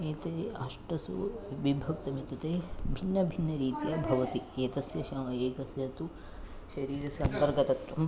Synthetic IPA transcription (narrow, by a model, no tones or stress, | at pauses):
eːt̪eːɐʂʈɐsṵbibʱɐk̚t̪ɐmit̪ɐt̪eːbʱinːɐbʱinːɐɾiːt̪jɐbʱɐʋɐt̪ieːt̪ɐsjɐʃɐmɐeːkɐsjɐt̪u | ʃɐɾiːɾɐsjɐnt̪ɐɾɡɐt̪ɐk̪ɐm